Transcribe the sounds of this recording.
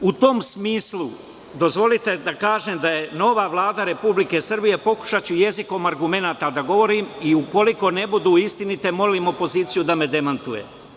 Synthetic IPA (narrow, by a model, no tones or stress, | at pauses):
ut̪o̞msmiːslu | d̪o̞zʋo̞lit̪e̞d̪akaːʒeːmd̪aje̞no̞ʋaːʋlˠaːd̪aɾe̞publike̞sr̩bije̞po̞ku̥ʃat͡ɕuje̞ziko̞maɾɡume̞naːt̪ad̪aɡo̞ʋo̞ɾiːmiuko̞liko̞ne̞bud̪uːist̪init̪e̞mo̞liːmo̞po̞ziːt̪sijud̪ame̞d̪e̞mant̪uje̞̰